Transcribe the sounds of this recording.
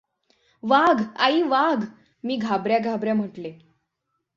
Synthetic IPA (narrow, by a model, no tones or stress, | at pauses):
ʋaɡaiːʋaɡ | miːɡʱabɾjaɡʱabɾjam̤əʈle